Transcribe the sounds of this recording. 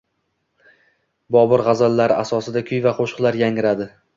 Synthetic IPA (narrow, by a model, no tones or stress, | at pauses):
bɒbʊɾʁazalːaɾɪasɒsɪd̪akʲʰʊjvaqʰoʃqlˠaɾjaŋɪɾad̪ɪ